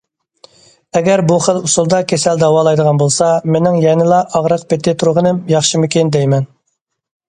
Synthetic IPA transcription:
ɛɡʲɛɾbuχəlˠusulˠd̪ɑkʲʰesæld̪ɑwɑːlˠɑjd̪əʁɑnbolˠsɑmenɪŋjɛnɨlˠɑʔɑʁɾəq̚pɪt̪ʰɪt̪ʰuɾʁənɨmjɑχʃimukʲʰɪnd̪ɛjmɛn

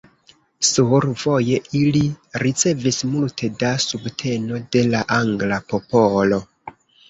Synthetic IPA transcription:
suɾv̥o̞je̞ʔiliɾit͡se̞vismultʰe̞dasubtʰe̞no̞de̞laʔaŋɡlapo̞polo̞

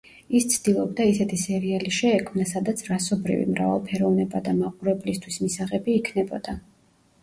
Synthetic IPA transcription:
ist̪sʰd̪̥ilˠɔbd̪aisɛt̪ʰisɛɾialiʃɛːkʰmnasad̪at̪sʰɾasɔbɾḭvḭmɾa̰va̰lˠpʰɛɾɔvnɛbad̪amaqʼuɾɛblist̪ʰwismisaʁɛbiːkʰnɛbɔd̪̥a

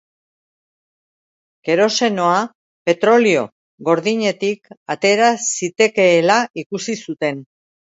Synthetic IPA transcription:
ke̞ɾo̞se̞no̞a | pe̞t̪ɾo̞lio̞ | ɣo̞ɾðiɲe̞t̪ikat̪e̞ɾasit̪e̞ke̞ːlaikusisut̪e̞n

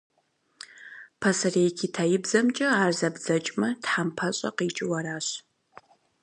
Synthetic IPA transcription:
pʰɐsɐreːjkʲʰiːtʰajɪbzɐmt͡ʃʼɐaːrzɐbzɐt͡ʃʼmɐtħampʰɐɕʼɐ̰qiːt͡ʃʼɪwɐɾaːɕ

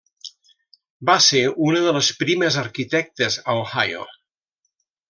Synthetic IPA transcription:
baseunəðələspɾiməzəɾkit̪ɛk̚t̪əzawhajo̰

